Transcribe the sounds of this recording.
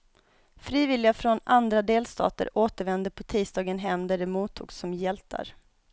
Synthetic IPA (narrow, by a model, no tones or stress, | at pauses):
fɾiːvɪlɪɡafɾɔnand̪ɾad̪eːlst̪ʰɑ̰ːt̪ə̰ɾʔoːt̪əɾvɛnd̪əpʰɔt̪ʰiːst̪ɑːɡənɦɛmd̪æɖɛmuːt̪ʰːṵːɡsɔmjɛlt̪ʰa̰ɾ